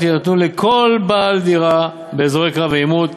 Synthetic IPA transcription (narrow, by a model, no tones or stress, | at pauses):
tinat̪nulekʰo̞lbaːld̪iʁa | beːzʁejkʁaveimud̪